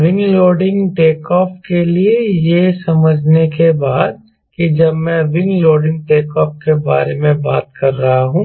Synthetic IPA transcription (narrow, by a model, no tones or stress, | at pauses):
ʋɪ̃ŋɡloːɾɖɪ̃ŋɡʈeːkɔːfkeliejesɐməd͡ʒʱnekebaːd̪̚ | kid͡ʒɐbmɛ̃ʋɪ̃ŋɡloːɾɖɪ̃ŋɡ̚ʈeːkɔːfkeba̰ːɾemẽba̰ːt̪̚kɐɾːɐɦaɦũː